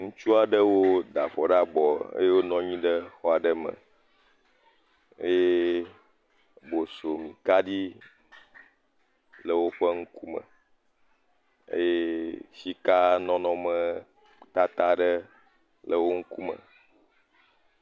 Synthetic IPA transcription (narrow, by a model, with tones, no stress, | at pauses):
ŋũ˦t͡ʃu˦a˨ɖə˦wo˦d̪a̰˨ɸɔ˨ɖa˦bɔ˨ḛ˦je˦wo˦nɔ̃˦ɲĩ˦ɖə˦xɔ˦a˨ɖə˦mə̰̃˨ | ḛ˦je˦ | bo˨so˨mĩ˨ka˦ɖi˦ | lə˨wo˦ɸə˦ŋ̩˦ku˦mə̰̃˨ | ḛ˦je˦fi˦ka˦nɔ̃˦nɔ̃˦mə̃˦ | t̪a˦t̪a˦ɖə˦ | lə˨wo˦ŋ̩˦ku˦mə̰̃˨